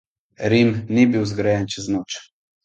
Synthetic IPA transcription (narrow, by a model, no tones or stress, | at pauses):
ɾimnibiwzɡɾɛjɛnt͡ʃɛznoːt͡ʃ